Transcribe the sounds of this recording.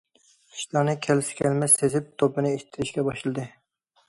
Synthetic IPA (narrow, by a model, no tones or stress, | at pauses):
i̥ʃlˠɑnɨkʲʰɛlsɪ̥kʲʰɛlmɛst̪ezɪp̚t̪ʰopːɨnɨeʃɪ̥t̪ʰːɪɾɪʃkʲɛbɑʃɨlˠɨd̪ɨ